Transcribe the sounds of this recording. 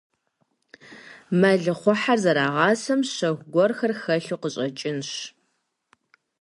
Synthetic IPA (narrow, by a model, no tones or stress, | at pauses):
mɐɮɨχʷɔħarzɐɾaːʁɑːsɐmɕɐxʷɡʷɔrxɐrxɐɬuqəɕʼɐt͡ʃʼɪnɕ